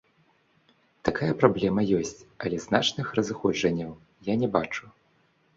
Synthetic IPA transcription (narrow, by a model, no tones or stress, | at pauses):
t̪akajɐpɾablʲɛmɐjɔsʲt͡sʲɐlʲɛznat͡ʂnɨxrɐzɨxɔd͡ʐɐnʲːɐw | janʲɛbat͡ʂu